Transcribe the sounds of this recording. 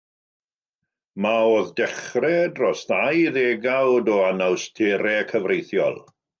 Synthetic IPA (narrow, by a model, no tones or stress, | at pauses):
maoðdɛχrɛdrɔsðajðeɡawdɔanawstʰeɾɛkʰəvrejθjɔ̰lˠ